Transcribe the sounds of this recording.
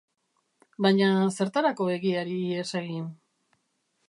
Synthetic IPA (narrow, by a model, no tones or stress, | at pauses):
bajɲase̞ɾt̪aɾako̞e̞ɣiaɾieseɣin